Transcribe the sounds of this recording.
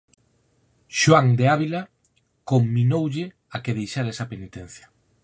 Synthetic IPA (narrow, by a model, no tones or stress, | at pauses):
ʃwaŋd̪eaβila | komːinowʎɪ | akeðejʃaɾɛsɐpenit̪en̟θjɐ